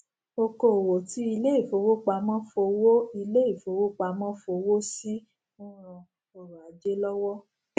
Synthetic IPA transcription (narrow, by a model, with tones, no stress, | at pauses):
o˧ko˨o˨wo˨ti˨˦i˧le˦i˦˨fo˧˦wo˦k͡pa˧mã˦fo˧wo˦i˧le˦i˦˨fo˨˦wo˦k͡pa˧mã˦fo˧wo˦si˦ | ũ˦ɾ̃ã˧ | ɔ˨ɾa˨a˨˦d͡ʒe˦lɔ˦wɔ˦